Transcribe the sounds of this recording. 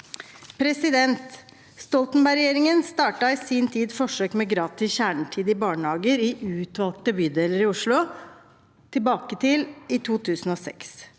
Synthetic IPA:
pʰɾɛsɪd̪ɛnt̪ | st̪ɔlt̪n̩bæɪɾɛjeːɾɪŋənst̪ɑːʈɑɪsiːnt̪ʰiːd̪fɔʂøːkmɛɡɾɑːt̪ɪçæːɳʈʰiːd̪ɪbɑːɳəhɑːɡəɾiʔʉːt̪ʋɑlk̚t̪əbʏːd̪ɛləɾɪʊʂɭʊ | t̪ʰɪlbɑːkət̪ʰɪlɪt̪ʰuːt̪ʰʉːsn̩oːsɛ̰ks

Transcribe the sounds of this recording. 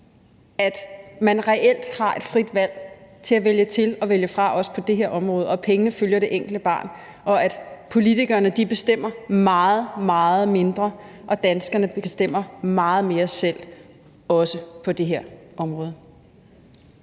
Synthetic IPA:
æd̥mænʁɛʔel̰d̥hɑ̈ʔe̝d̥fʁid̥ʋæl̰t͡sʰe̝æʋeljət͡sʰe̝lɒ̽ʋeljəfʁɑ̈ʔɒ̽sə̥pʰɒ̽d̥e̝ɦeɐ̰ʔɒ̽mʁɔ̽ːð̞̩ˠɒ̽pʰeŋənəføljɐɾ̥e̝ʔeŋ̰ɡ̥l̩d̥əb̥ɑ̰̈ːn | ɒ̽æd̥pʰo̝lit͡sʰiɡ̥ɐːnəd̥ib̥e̝sd̥em̰ɐmɑ̈ːð̩ˠmɑ̈ːð̩ˠme̝nd̥ʁɐʔɒ̽d̥ænsɡ̥ɐnəbesd̥em̰ɐmɑ̈ːð̞̩ˠme̝ːɐsel̰ | ɒ̽səpʰɒ̽d̥e̝ɦeɐ̰ʔɒ̽mʁɔ̽ːðˠ

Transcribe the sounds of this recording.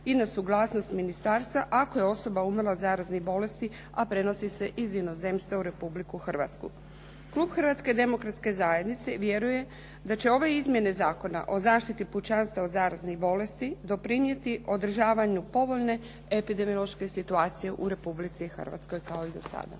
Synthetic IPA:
inasuɡlˠaːsno̞st̪minist̪aːɾst̪ʋaʔakojeo̞so̞baumrlˠaod̪zaːɾaznixbo̞le̞st̪i | apɾe̞no̞sise̞ʔizino̞ze̞mst̪ʋauɾe̞publikuxr̩ʋa̰t̪skṵ | klˠuːbxr̩ʋat̪ske̞d̪e̞mo̞kɾat̪ske̞zaːje̞d̪nit̪se̞ʋje̞ɾuje̞ | d̪at͡ɕe̞o̞ʋe̞izmje̞ne̞zaːko̞na̰ʔo̞zaːʃt̪it̪iput͡ʃanst̪aod̪zaːɾazniɣbo̞le̞st̪id̪o̞pɾinje̞t̪iʔo̞d̪r̩ʒaːʋaɲupo̞ʋo̞ʎne̞ | epid̪e̞mijolˠoʃke̞sit̪uaːt̪sije̞ʔuɾe̞publit̪sixə̰r̩ʋa̰t̪sko̞jkao̞id̪o̞sa̰d̪a̰

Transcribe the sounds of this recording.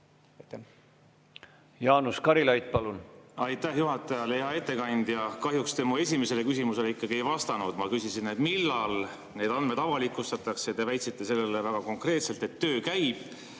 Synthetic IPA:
jɑːnuskɑɾilɑjt̪̚pɑlunɑjt̪ːˑæhjuɦɑt̪ːˑɑjɑleeɑe̞t̪ːe̞kɑnʲd̪̥jɑkɑɦjukst̪e̞mue̞sʲime̞se̞le̞kysʲimuse̞leikːˑɑɡie̞jvɑst̪ɑnud̪̥mɑkysisined̪milːɑl | ne̞ːd̪ɑnd̪̚me̞d̪ɑvɑlikːˑust̪ɑt̪ːˑɑkseɑt̪evæjt̪sit̪ːˑe̞se̞lːe̞levæɡ̥ɑko̞ŋkre̞ːt̪se̞lt̪e̞t̪ːø̞ːkæjb̥

